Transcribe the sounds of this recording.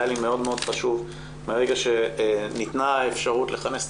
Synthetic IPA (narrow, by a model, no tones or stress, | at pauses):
alime̞o̞dmeo̞d̥χaʃuv | meʁeɡaʃe̞nit̪naefʃaʁutle̞χane̞s